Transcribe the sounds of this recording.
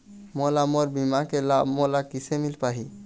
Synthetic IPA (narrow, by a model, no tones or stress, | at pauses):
molamoɾbimakelamɔlakisemilpaɦi